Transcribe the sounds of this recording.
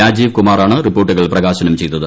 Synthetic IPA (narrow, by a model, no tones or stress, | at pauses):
aːd͡ʑiːʋkumaːraːɳɨripːoːrʈːuɣɐɭprɐɣaːɕɐnɐmt͡ɕejt̪ːɐðɨ